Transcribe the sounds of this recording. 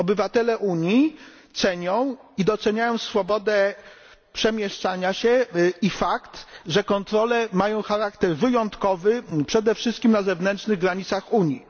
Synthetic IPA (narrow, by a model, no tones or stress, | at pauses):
ɔbɘvat̪ɛlɛʔuɲi | t̪sɛɲɔ̃w̃id̪ɔt̪sɛɲajɔ̃w̃sfɔbɔd̪ɛ | pʂɛmʲjɛʂt͡ʂaɲaɕɛifakt̪ʐɛkɔnt̪ɾɔlɛmajɔ̃w̃xaɾakt̪ɛɾvɘjɔnt̪kɔvɘpʂɛd̪ɛfʂɘst̪̚kʲimnazɛvnɛntt͡ʂnɘɣɡɾaɲit̪saxuɲi